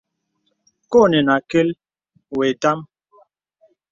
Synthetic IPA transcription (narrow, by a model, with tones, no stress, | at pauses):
ko˦˨nɛ˨na˨ke˦l | we˨ta˦m